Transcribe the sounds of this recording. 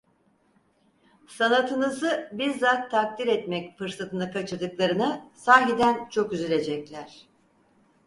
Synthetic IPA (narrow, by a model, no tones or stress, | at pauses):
sanat̪ʰɯnɯzɯbiɾzat̪ʰːak̚t̪iɾɛt̪mɛcfɯɾsat̪ʰɯnakʰat͡ʃʰɯɾd̪ɯklˠaɾɯnɯsaːɦid̪ænt͡ʃʰo̞kyzylʲe̞d͡ʒɛclʲæɾ̥